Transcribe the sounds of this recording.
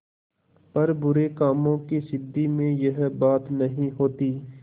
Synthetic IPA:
pɐɾbʊɾekaːmõkisɪd̪ːimẽjɐɦbaːt̪nɐɦĩɦoːt̪iː

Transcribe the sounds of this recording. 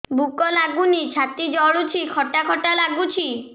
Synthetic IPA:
bʱukɔlaɡunit͡ɕʰat̪id͡ʑɔɭut͡ɕʰikʰɔʈakʰɔʈalaɡut͡ɕʰi

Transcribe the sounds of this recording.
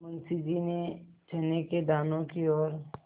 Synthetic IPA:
mɐ̃nsid͡ʒinet͡ʃʰɛːneked̪aːnõkiɔːɾ

